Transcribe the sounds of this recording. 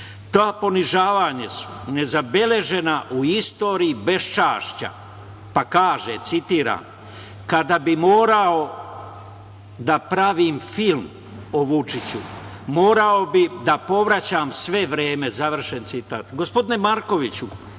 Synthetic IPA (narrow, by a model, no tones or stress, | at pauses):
t̪aːpo̞niʒaːʋaːɲesu̥ne̞zabe̞le̞ʒe̞naʔuist̪o̞ːɾiːbe̞st͡ʃaːʃt͡ɕa̰ | pakaːʒet̪sit̪iːɾa̰ːm | kad̪abimo̞ːɾao̞ | d̪apɾaʋiːmfilm | oʋut͡ʃit͡ɕu | mo̞ːɾao̞bid̪apo̞ʋɾat͡ɕaːmsʋe̞ʋɾe̞ːme̞zaʋr̩ʃe̞nt̪sit̪a̰ːt̪ɡo̞spo̞d̪ine̞maɾkoʋit͡ɕu